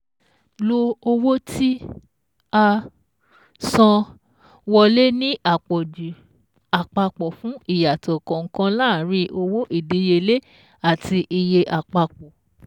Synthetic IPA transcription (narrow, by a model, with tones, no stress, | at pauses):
lo˧o˧wo˦tʰi˦ | a˧ | sã˧ | wɔ˧le˦nĩ˦ʔa˦˨k͡pɔ˨d͡ʒu˨ | a˨k͡pa˧k͡pɔ˨fũ˦i˦˨ja˨tɔ˨kɔ̃˨ŋ̩˦kã˦laː˦˨˦ɾĩ˧˦ʔo˧wo˦ʔi˦˨di˨˦je˧le˦ | a˨ti˧ʔi˧je˧ʔa˨k͡pa˧k͡pɔ˨